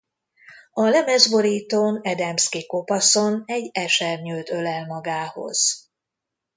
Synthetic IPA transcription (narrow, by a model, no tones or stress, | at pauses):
ɒlɛmɛzboɾiːt̪onɛd̪ɛmskiko̞pɒsonɛɟɛʃɛrɲylt̪ø̞lɛlmɒɡaːho̞̰z̥